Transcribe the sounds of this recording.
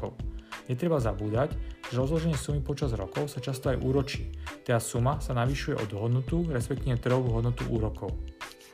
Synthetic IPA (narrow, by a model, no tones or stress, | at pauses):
ɔʊɲɛt̪ɾɛbazabuːd̪acʒ̥ɛɾɔzlɔʒɛɲɪɛsumipɔt͡ʃazɾɔ̰kɔʊsat͡ʃast̪ɔajʔuːɾɔt͡ʃiːt̪ɛasumasanaʋiʃujɛ̰ʔɔd̪ɦɔd̪nut̪uɾɛspɛk̚t̪iʋɛt̪r̩ɦɔʋuɦɔd̪nɔt̪uʔuːɾɔkʰɔʊ